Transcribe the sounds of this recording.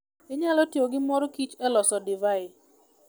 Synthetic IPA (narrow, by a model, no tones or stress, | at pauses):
ɪɲalɔtjoɡɪmɔɾɔkit͡ʃɛlɔsɔdivaɪ